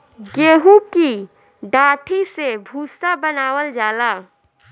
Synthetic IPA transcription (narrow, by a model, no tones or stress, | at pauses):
ɡeːɦuki | ɖaːʈʰisebʱuːsabənaːwəld͡ʒaːlaː